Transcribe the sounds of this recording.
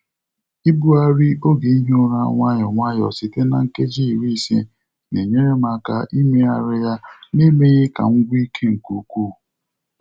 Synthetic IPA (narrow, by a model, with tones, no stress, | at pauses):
i˦bu˦a˦ɾi˦o˦ɡe˨i˦ɦo˦ɾa˦ŋʷa˦ɲɔ˨ŋʷa˦jɔ̰˨si˨te˦na̰˨ŋ̩˦ke˦d͡ʒi˦˨ɾi˦˨sḛ˦ | ne˨ɲe˦ɾe˦ma˦˨ka̰˦ʔi˦me˦a˨ɾɪ˦ja˦ni˦me˦ɣe˦ka̰˨ŋ̩˦ɡʷi˦i˦kʰe˦ŋ̩˨ku˨˦ku˦˨